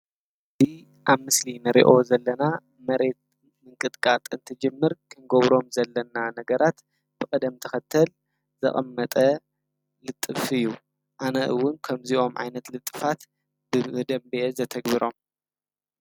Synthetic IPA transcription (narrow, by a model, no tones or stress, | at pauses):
bi | ʔaβmɨslinɨɾḭʔo̞zɐlːɐna | mɐɾe̞t̪̚ | mɨŋkʼɨt̪ʼkʼat̪ʼɨnt̪ʰɨd͡ʒɨmːɨɾkʰɨnɡoβɾo̞mzɐlːɐnanɐɡɐɾat̪ | b̥ɨkʼɨd̪ɐmt̪ʰɐxɐt̪ʰːɐl | zɐ̰χʼɐmːɐt̪ʼɐ | lɨt̪ʼːɨfɨjːu | ʔanɐʔɨwːʊnkʰɐmziʔo̞mʕa̰jnɐt̪lɨt̪ʼːɨfat̪ | bɨd̪ɐmbezɐt̪ʰɐɡbiɾo̞m